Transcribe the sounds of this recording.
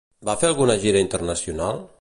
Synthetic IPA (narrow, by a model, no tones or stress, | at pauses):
bafealˠɣunəʒiɾaint̪əɾnasjunalˠ